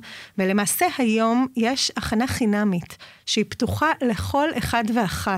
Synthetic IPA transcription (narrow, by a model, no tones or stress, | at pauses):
velemaːse̞hajo̞mjeʃaχanaχinamitʃeiptuχale̞χo̞leχadve̞aχa